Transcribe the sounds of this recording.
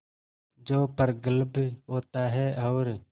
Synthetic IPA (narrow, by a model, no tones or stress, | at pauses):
d͡ʒoːpəɾɡəlbɦoːt̪aːɦɛːʔəːɾ